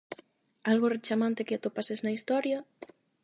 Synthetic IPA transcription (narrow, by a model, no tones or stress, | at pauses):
alɣoret͡ʃamãnt̪ekeat̪opaseznaist̪ɔɾjɐ